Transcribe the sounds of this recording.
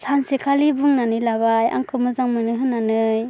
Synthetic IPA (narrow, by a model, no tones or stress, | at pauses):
sansekʰalibuŋnanɯjlabaja̰ŋkʰɯmɯzaŋmɯnɯɦɯnːanɯj